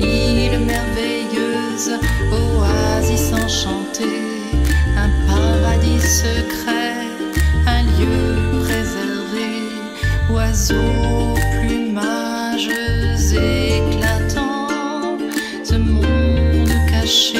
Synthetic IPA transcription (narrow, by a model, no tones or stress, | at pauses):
ilmɛʁvɛ | jø | zoazisɑ̃ʃɑ̃t̪e | ɛ̃paʁad̪isəkχɛ | ɛ̃ljøʁezɛʁve | uazoplyma | ʒøzeklat̪ʰɑ̃ | səbʁynəkaʃe